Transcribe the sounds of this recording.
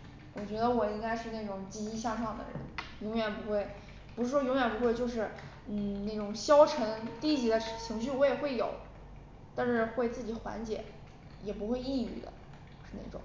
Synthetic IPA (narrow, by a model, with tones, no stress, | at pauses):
wɔ˨˩t͡ɕɥɛ˧˥d̪ə˧wɔ˨˩i˥ŋɡa˥ɪʂɻ̩˥˧na˥˩ɪʈ͡ʂʊ˨˩ŋt͡ɕi˧˥i˥ɕ̬ja˥˧ʂɑ˥˩ŋd̪ə̰˩ɻə̰˧˥njʊ˧˥ŋɥɛ˨˩npu˧˥xwe˥˩ɪ | pu˧˥ʂɻ̩˥˩ʂwɔ˥jʊ˧˥ŋɥɛ˨˩npu˧˥xwe˥˧ɪt͡ɕjo˥˧ʊʂɻ̩˥˩ | n̩˥˩na˥˩ɪʈ͡ʂʊ˨˩ŋɕjɑ˥ʊʈ͡ʂʰɤ˧˥ŋt̪i˥˩t͡ɕi˨˩d̪ə˧˦˩t͡ɕʰi˧˥ŋɕ̬y˥˩wɔ˧˥jɛ˨˩xwe˥˩ɪjo˨˩˦ʊ | t̪a˥˧nʂɻ̩˥˧xwe˥˧ɪt͡sɹ̩˥˩t͡ɕi˨˩˦xwa̰˧˥nt͡ɕjɛ̰˨˩˦ | jɛ˨˩pu˧˥xwe˥˧ɪi˥˧y̰˨˩d̪ə̰˩˦ | ʂɻ̩˥˧na˥˩ɪʈ͡ʂʊ̰˨˩˦ŋ